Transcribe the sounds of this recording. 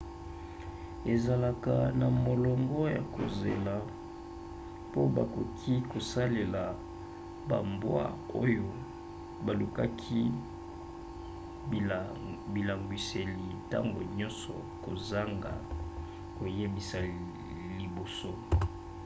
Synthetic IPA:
e˨za˨la˨ka˨na˨mo˨lɔ˨ŋɡɔ˦ja˨ko̰˨ze˨la˨ | po˦ba˨ko˨kʰi˦ko˨sa˦le˨la˨ | ba˨mbwa̰˦o˦jo˦ | ba˨lu˨ka˦kʰi˦ | bi˨la˨ŋɡwi˨se˨li˨ta̰˦ŋɡo̰˨ɲɔ˦nsɔ̰˨ | ko˨za˦ŋɡa̰˨ | ko˨je˦bi˨sa˨ | li˨bo˨so˦

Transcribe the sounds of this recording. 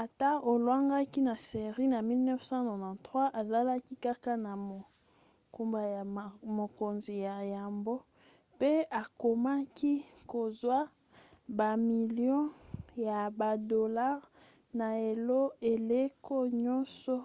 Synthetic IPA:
a˨ta˦o˨lwa˦ŋɡa˦ki˦na˨se˨ʁi˦na˨mi˦lnɛ˦fsã˦no˨vã˨tʁwa˦ʔa˨za˦la˦ki˦ka˦ka˦na˨mo˨ | ku˨mba˨ja˨mo˨ko˨nzi˨ja˨ja˨mbo˦ | pe˦a˨ko˨ma˦ki˦ko˨zwa˦ | ba˨mi˨ljɔ̃˦ja˨ba˨do˨la˦ʁ | na˨e˨lo˦e˨le˦ko˦ɲɔ̃˦sɔ˦

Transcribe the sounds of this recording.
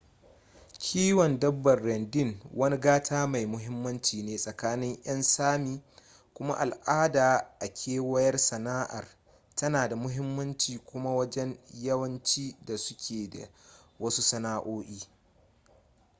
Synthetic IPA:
kʲʰiː˦wɔ˨ndɐ˦bːɐ˨rːɛ˨ndɪ˦˨ŋwɐ˦ni˦ɡaː˦tʰaː˦ma˨jmʊ˦ɦɪ˦mːɐ˦nt͡ʃiː˨neː˦sʼɐ˨kaː˦nɪ˦ŋʔj̰ɐ˦nsaː˦miː˦ | kʷʊ˦ma̰˦ʔa˨lʔaː˦daː˨ʔa˨kʲʰeː˦wɐ˦jɐ˦rsɐ˨naː˦ʔa̰˨r | tɐ˦naː˨da˨mʊ˦ɦɪ˦mːɐ˦nt͡ʃiː˨kʷʊ˦ma˦wɐ˦d͡ʒɛ˦njɐ˦wɐ˦nt͡ʃiː˦da˨sʊ˦kʲʰeː˨da̰˨wɐ˦su˦sɐ˦naː˦ʔoː˦ʔiː˦

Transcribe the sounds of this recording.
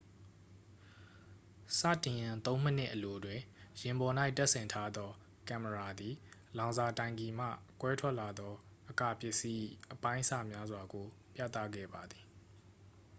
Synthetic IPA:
sa̰˦˨tɪ̃˨jã˨t̪õ˦ʊ̃m̥ə˦n̥ɪ̰˦ʔəlo˨dwɪ̃˨jɪ̃˨mbɔ˨na˦ɪtɛ˦ʔsɪ̃˨ntʰa˦d̪ɔ˦ | kã˨məɹa˨d̪i˨lã˨ʊ̃za˨tã˨ɪ̃ŋɡi˨m̥a̰˦˨kwɛ˦tʰwɛ˦ʔla˨d̪ɔ˦ | ʔəka̰˦˨pjɪ˦ʔsi˦ʔəpã˦ɪ̃ʔsa˦˨mja˦zwa˨ɡo˨ | pjä̰˦˨t̪ä̰˦˨ɡɛ̰˦˨ba˨d̪ði˨

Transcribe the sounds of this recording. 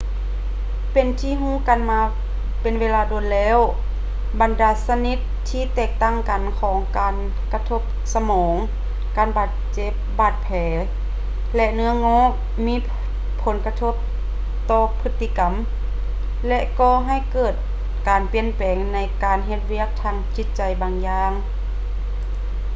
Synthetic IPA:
pe˨nt̪ʰiː˧˨ɦuː˧˥˨ka˨nmaː˧ | pe˨nweː˧laː˧do˨˩nlɛː˧˥˨w | ba˨ndaː˨˧˦sa˧ni˧˥t̪ʰːiː˧˨t̪ɛː˧˩k̚t̪a˧˥˨ŋka˨nkʰɔː˨˦ŋkaː˨n | ka˧t̪ʰo˧˥˩p̚sa˧mɔː˨˦ŋ | kaː˨˩nbaː˧˩t̪̚t͡ɕe˧˦p̚baː˧˩t̪̚pʰɛː˨˦ | lɛ˧nɯ˧˥ɐŋɔː˧˥˨ʔ | miː˧˥˨ | pʰːo˨˦nka˧t̪ʰo˧˥p̚ | t̪ɔː˧pʰɯ˧˥t̪ʰːi˧ka˨˩m | lɛ˧˥ʔkɔː˧˩ɦa˧˩jkɤː˧˩t̪̚ | kaː˨npi˧˨ənpɛː˨˩ŋna˧˥jkaː˨nɦe˧t̪̚wi˧˥˩ək̚t̪ʰaː˧ŋt͡ɕi˧˥t̪̚t͡ɕa˨jbaː˨ŋjaː˧ŋ

